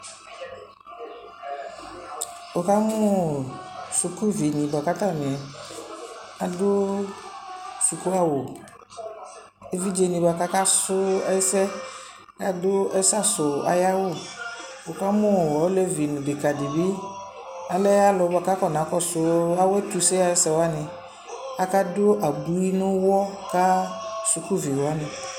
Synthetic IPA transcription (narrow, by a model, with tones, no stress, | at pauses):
wo˨ka˦mũ˦ | su˨ku˦vi˨nĩ˨ba˨ka˦t̪a˦m̃˨ɛ˨ | a˨dʊ˦ | su˨ku˦a˦wo˨ | e˨vi˦d͡ʒe˨nĩ˨ba˨ka˦ka˦sʊ˦ɛ˦sɛ˦ | ka˦do˦ɛ˦sa˦sʊ˨a̰˨ja˦wo˦bo˨ka˦mõ˦˨wɔ˨˦le˦vi˨nũ˨be˨ka˨di˨bi˦ | a˨lɛ˦a˦lɔ˨ba˨ka˦kɔ˦n˨ã˨˦kɔ˦sʊ˨˦a˦wɛ˦t̪u˨se˦a˨je˦sɛ˦wa˦nɪ̃˨ | a˨ka˦do˦ʔa˨bu˨i˦nʊ̃˦wɔ˦ka˦su˨ku˦vi˨wo˨a˦nɪ̃˨